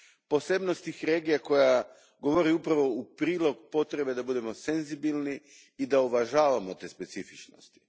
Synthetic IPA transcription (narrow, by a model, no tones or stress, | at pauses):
po̞sebnost̪ixɾe̞ːɡijako̞ja | ɡo̞ʋo̞ɾiupɾaʋo̞upɾiːlˠo̞ɡpo̞t̪ɾe̞be̞d̪abud̪e̞mo̞se̞nzibilˠni | id̪auʋaʒaːʋamo̞t̪e̞ːspe̞t̪sifit͡ʃno̰st̪i̥